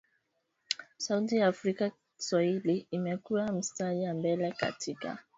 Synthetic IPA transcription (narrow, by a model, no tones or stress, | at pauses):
sautijaːfɾika | i̥swahiliːmɛkuwam̩staʄambɛlɛka̰tʰika̰